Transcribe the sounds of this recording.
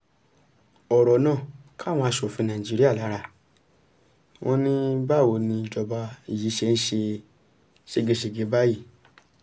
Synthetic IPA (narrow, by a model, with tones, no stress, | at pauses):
ɔ˨ɾɔ˨˦nãː˦˨kʰa˦˨w̃ɔ̃˧a˧ʃo˨fĩ˧nãː˨i˨d͡ʒi˦ɾi˦a˦˨la˨˦ɾa˧˨ | w̃ʔɔ̃˦nĩ˦ba˦˨wo˨˧˨nĩ˧d͡ʒɔ˧ba˧i˨ji˨˦ʃe˧n̩˦ʃe˧ | ʃe˧˦ɡe˧ʃ̬e˧˨ɡe˨˦ba˦ji˦˨